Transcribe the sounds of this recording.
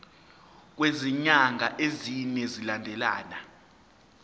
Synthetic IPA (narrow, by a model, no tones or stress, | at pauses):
k̬weziɲaŋʱaʔezinɛzilandʱɛla̰ːna